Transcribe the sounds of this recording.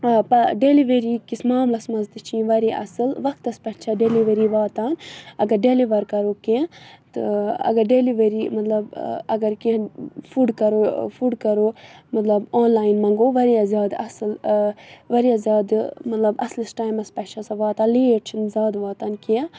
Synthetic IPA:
pɐɖeliʋeɾiːkismaːmlɐsmɐzt̪ɨt͡ʃʰĩːʋɐɾiʔɐ̰sɨlʋɐkt̪ɐspɐʈt͡ʃʰɐɖeliʋɐɾiːʋaːt̪aːnɐɡɐɾɖeliʋɐɾkɐɾoːket̪ɨɐ̰ɡɐɾɖeliʋɐɾiːmɐt̪lɐbɐɡɐɾkẽfuɖkɐɾoːfuɖkɐɾoːmɐt̪lɐboːnlaːinmɐ̃ŋɡoːʋɐɾiɐzjaːd̪ɐ̰sɨl | ʋɐɾiazʲjaːd̪mɐt̪lɐbɐslisʈaːjmɐspɐʈt͡ʃʰɐsɐʋaːt̪ãːliːeʈt͡ʃʰinzʲaːd̪ʋaːt̪aːnki

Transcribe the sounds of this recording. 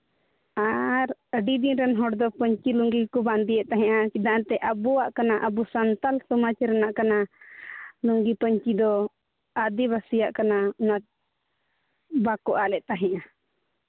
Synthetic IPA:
aɾəɖid̪inɾɛnɦɔɽd̪ɔpəɲt͡ʃiluŋɡikɔband̪ijɛʔt̪aɦɛ̃ʔat͡ʃid̪ãʔt̪ɛʔəbɔwaʔkanaʔəbusant̪alsɔmat͡ʃɛɾɛnaʔkana | luŋɡipəɲt͡ʃid̪ɔ | ad̪ibasijaʔkanauna | bakɔʔalɛʔt̪aɦɛ̃ʔa

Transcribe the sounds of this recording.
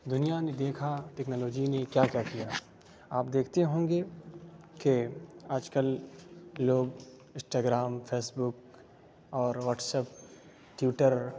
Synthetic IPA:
d̪ʊnijaned̪eːkʰaʈɛːknoːloːd͡ʒinekjakjakijaː | aːpd̪eːkʰt̪eɦõːŋɡe | keaːd͡ʒkəlː | oːɡ | ɪ̃sʈaːɡɾaːmfʰeːsbʊk | ɔːɾʋəʈsəp̚ | ʈɪʈəɾ

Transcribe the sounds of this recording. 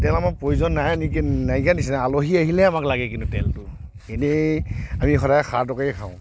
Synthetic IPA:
tɛlamak̚pɹojuzɔnːajniknajkanisɛnaaloɦiaɦilɛamaklaɡɛk̬intutɛ̰ltʊ | enɛamixɔɾajɛxʰaɹtɔkaɛkʰaʊ̃

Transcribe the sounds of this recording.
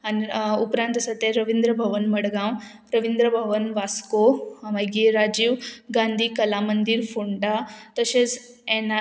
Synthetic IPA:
aniupɾãnt̪əsat̪ẽɾəʋind̪ɾəbʱəʋənməɽɡãw | ɾəʋind̪ɾəbʱəʋənʋaskoʋaɡiɾad͡ʑiːʋɡãnd̪ʱiːkəlamənd̪iɾfuɳʈat̪əɕed͡z | ena

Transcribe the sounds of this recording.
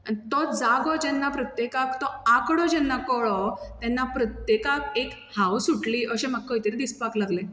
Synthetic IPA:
t̪ɔd͡zaɡɔd͡ʑɛnːapɾət̪jekakt̪ɔakɽɔd͡ʑɛnːakɔɭɔt̪ɛnːapɾət̪jekakek | hawsuʈliːʔəɕemak̚ːəit̪əɾid̪ispaklaɡlẽ

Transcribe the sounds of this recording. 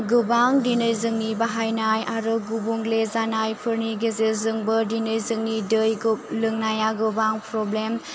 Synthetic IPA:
ɡɯbaŋdinɯjzɯŋnibaɦajnajaɾɯɡubuŋlezanajpʰɯɾniɡezezɯŋbɐdinɯjzɯŋnidɯjɡlɯŋnajaɡɯbaŋpɾɔblem

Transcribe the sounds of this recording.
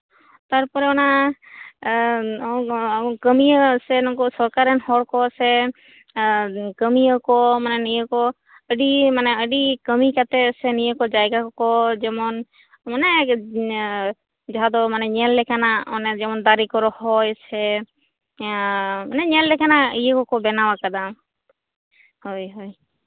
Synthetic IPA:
t̪aɾpɔɾɛɔna | kəmiəsɛnɔkɔsɔɾkaɾɛnhɔɽkɔəsɛ | kəmiəkɔmanɛnijəkɔ | əɖimanɛəɖikəmikat̪ɛəsɛnijəkɔd͡ʒajɡakɔd͡ʒɛmɔn | manɛ | d͡ʒaɦad̪ɔmanɛɲɛlːɛkanaɔnɛd͡ʒɛmɔnd̪aɾikɔɾɔhɔjt͡ʃʰɛ | manɛɲɛllɛkanaijəkɔkɔbɛnawakad̪am | hojɦoj

